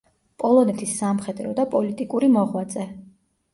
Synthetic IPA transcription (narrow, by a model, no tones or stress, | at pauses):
pʼɔlˠɔnɛt̪ʰisːamχɛd̪ɾɔd̪apʼɔlit̪ʼikʼuɾimɔʁwat̪sʼɛ